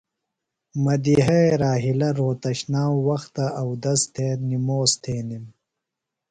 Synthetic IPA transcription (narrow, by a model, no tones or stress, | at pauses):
mɐd̪iɦɐeɾaːɦilɐɾoːt̪ɐɕnaːwwɐxt̪ɐʔɐwd̪ɐst̪ʰeːnimoːst̪ʰeːnim